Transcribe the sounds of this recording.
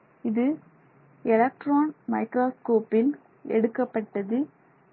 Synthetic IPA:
ɪðɯ | ɛlɐk̚ʈɾaːnmɐɪkɾaːskoːpɪn | ɛ̰ɽɯkːɐpːɐʈːɐðɯ

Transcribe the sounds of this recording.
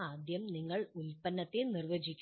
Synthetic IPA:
aːd̪ʱjɐmniŋːɐɭulpɐnːɐt̪ːenirʋɐd͡ʑikʲː

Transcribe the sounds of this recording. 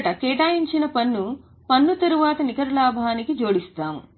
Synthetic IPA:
ʈɐkɛːʈaːjiɲt͡ʃinɐpɐnːu | pɐnːut̪ɐɾuʋaːt̪ɐnikɐɾɐlaːbʱaːnikid͡ʒoːɽist̪aːmu

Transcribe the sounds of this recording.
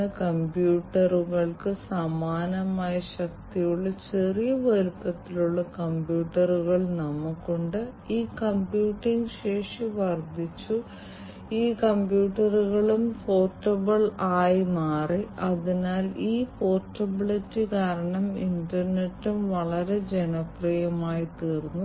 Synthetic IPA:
ɨkɐmbjuːʈːɐruɣɐɭkɨsɐmaːnɐmaːjɐɕɐk̚t̪ijuɭːɐt͡ɕe̞rijɐʋɐɾupːɐt̪ːiluɭːɐkɐmbjuːʈːɐruɣɐɭnɐmukːuɳɖɨiːkɐmbjuːʈːiŋɡɕe̞ːʂiʋɐrd̪ʱit͡ɕːu | iːkɐmbjuːʈːɐruɣɐɭumfo̞ːrʈːɐbɐɭaːjimaːriʔɐðinaːliːpo̞ːrʈːɐbiɭɐtːikaːɾɐɳɐmḭndɐrne̞tːumʋɐɭɐɾed͡ʑe̞nɐprɐjɐmaːjit̪iːrunːu

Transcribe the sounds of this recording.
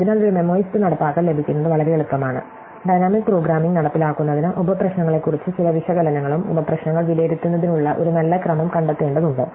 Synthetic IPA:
ɐðinaːlːoɾume̞mo̞ːjistɨnɐɽɐpːaːkːɐɭle̞bʱikʲːunɐnːɨʋɐɭɐɾejeɭut̪ːɐmaːɳɨ̰ | ɖɐjnaːmikproːɡɾaːmiŋɡnɐɽɐpːilaːkːunːɐðinɨʔobɐprɐɕnɐŋːɐɭe̞kːurit͡ɕːɨt͡ɕilɐʋiʂɐɡɐlɐnɐŋːɐɭumo̰bɐprɐɕnɐŋːɐɭʋileːɾit̪ʲːunːɐðinuɭːɐʔo̞̰ɾunɐlːɐkrɐmɐmkɐɳɖɐt̪ːeːɳɖɐðuɳɖɨ

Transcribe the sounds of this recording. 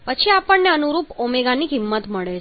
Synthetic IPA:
pət͡ʃʰiapəɳːeənuɾupomeɡanikɪmːət̪məɭe

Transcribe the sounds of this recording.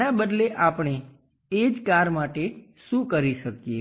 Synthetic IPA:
nabəd̪leʔapɳ̃e | ed͡ʒkaɾmaʈeʃũkəɾiʃəkije

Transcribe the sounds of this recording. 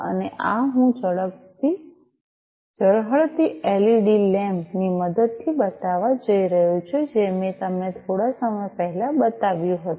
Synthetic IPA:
ə̰neʔaɦũd͡ʒəɭək̚t̪i | d͡ʒəɭɦəɭt̪ieliɖilɛmniməd̪əd̪̚t̪ʰibət̪aʋad͡ʒəiɾəɦũt͡ʃʰod͡ʒemet̪əmnet̪ʰoɽasəməjpəɦɛlabət̪aʋjũɦət̪u

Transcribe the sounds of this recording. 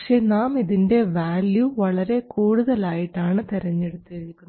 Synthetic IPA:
kʂenaːmiðinde̞ʋaːljuʋɐɭɐɾe̞kuːɽuðɐlaːjiʈːaːɳɨt̪iɾɐɲːeɽut̪ːiɾikʲːunː

